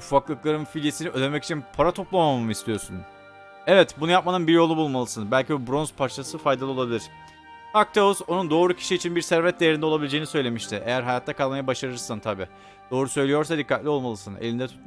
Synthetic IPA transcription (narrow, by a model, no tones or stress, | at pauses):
ufaklˠɯklˠaɾɯnfilʲesiniø̞d̪emɛci̥t͡ʃʰinpʰaɾat̪ʰo̞plˠamamɯist̪ʰijo̞ɾsun | ɛvɛt̪bunujap̚manɯnbiɾjo̞lˠubulˠmalˠɯsɯnbælʲcibubɾo̞nz̥pʰaɾt͡ʃʰasɯfajd̪alˠɯo̞lˠabilʲiɾ̥ | ak̚t̪ʰeuzo̞nund̪o̞ːɾucʰi̥ʃiːt͡ʃʰinbiɾsæɾvɛt̪̚d̪ejeɾind̪ɛo̞lˠabilʲed͡ʒeinisø̞jlʲe̞miʃt̪ʰɪʔe̞jæɾɦajat̪ʰːakʰalˠmajabaʃaɾɯɾsant̪ʰabiː | d̪̥o̞ːɾusø̞jlʲijo̞ɾsad̪ikʰːat̪lʲio̞lˠmalˠɯsɯnḛlʲind̪ɛt̪ʰu̥t̪